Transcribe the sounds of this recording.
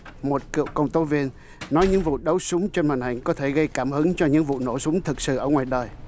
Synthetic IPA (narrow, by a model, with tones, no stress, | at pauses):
mo˨˩t̚kḭ˧˨əwkə˧wŋ͡mt̪o˨˦vi˧ənː | ɔ˨˦jɲɨ̰˧˥ŋvṵ˧˨ɗə˨˦wsʊ˨˦ŋ͡mt͡ɕe˧nma˨˩nha˨˩ŋ̟kɔ˨˦t̪ʰe˧˩ɣə˧jkaː˧˩mhɨ˨˦ŋt͡ɕɔ˧ɲɨ̰˧˥ŋvṵ˧˨no˧˩sʊ˨˦ŋ͡mt̪ʰɨ˨˩t̚sɨ̰˧˨ʔəː˧˩ŋwaː˨˩jɗəː˨˩j